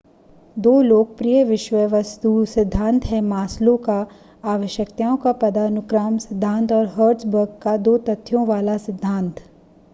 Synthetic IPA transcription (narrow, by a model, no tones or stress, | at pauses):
d̪oːloːk̚pɾijəʋɪʃʋəʋɐst̪usɪd̪ʱːãːnt̪ɦɛmaːslõka | aːʋəʃjəkt̪aːõkapɐd̪aːnʊkɾaːmsɪd̪ʱːãːnt̪ɔːɾɦəːɾʈsbəɾɡkad̪oːt̪ɐt̪ʰːjõʋaːlasɪd̪ʱːãːnt̪ʰ